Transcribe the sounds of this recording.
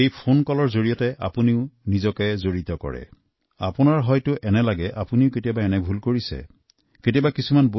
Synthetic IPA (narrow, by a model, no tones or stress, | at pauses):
ejpʰonkɔlɔɹzoɹijɔtɛʔa̰puniʊnizɔkɛzoɹitɔkɔ̰ɹɛ̰ | a̰pʊnaɹɦɔjtʊʔɛnɛlaɡɛʔapuniʊketijabaɛnɛbʱulkoɹisɛ̰ | ketiabakisumanbo